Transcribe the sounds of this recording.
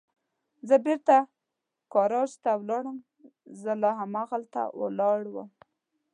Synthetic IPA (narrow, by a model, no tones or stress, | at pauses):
zəbeɾt̪a | kɑɾɑʒt̪awlɑɽəm | zəlɑɦamaɣalt̪a̰wə̰lɑɽwə̰m